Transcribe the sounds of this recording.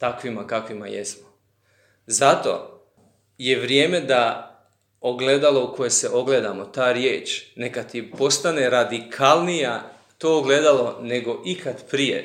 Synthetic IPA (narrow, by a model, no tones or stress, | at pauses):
t̪akʋimakakʋima̰jḛsmo | zat̪o̞̰ | je̞ʋɾje̞ːme̞d̪a | oɡle̞d̪alˠo̞uko̞jese̞ʔo̞ɡle̞d̪amo̞t̪aːɾjeːt͡ʃne̞kat̪ipo̞st̪ane̞ɾad̪ikʰalˠnija | t̪oːɡled̪alo̞ne̞ɡo̞ʔikat̪pɾijḛ